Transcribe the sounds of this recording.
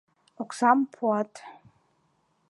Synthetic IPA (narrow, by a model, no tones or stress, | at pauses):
okʰʷsampʰwatʼ